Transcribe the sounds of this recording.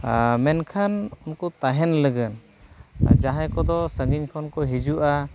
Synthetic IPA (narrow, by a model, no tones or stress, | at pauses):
mɛnkʰanunkɔt̪aɦɛnləɡən | d͡ʒaɦãkɔd̪ɔsəɡiɲkʰɔnkɔɦid͡ʒuʔa